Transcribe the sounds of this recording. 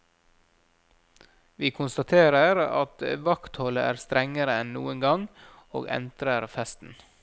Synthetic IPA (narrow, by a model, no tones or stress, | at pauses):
ʋiːkʰʊnst̪ɑt̪ʰeːɾəɾɑ̰t̪ʋɑkt̪hɔləʔæːɾst̪ɾɛŋəɾəɛnnṵːəŋɡɑŋ | o̰ːɡɛ̰nd̪ɾəɾfɛst̪n̩